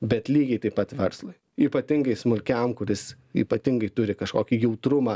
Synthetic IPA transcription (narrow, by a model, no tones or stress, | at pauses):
bʲɛt̪lʲiːɡʲɛɪt̪ɐɪpɐt̪ʋʲɛɾslˠʊɪ | iːpɐt̪ʲɪŋɡɐɪsmʊlʲkʲɛmkʊɾʲɪs | ḭːpɐt̪ʲɪŋɡɐɪt̪ʊɾʲɪkɐʃkoːkʲijɛʊt̪ɾʊmɑː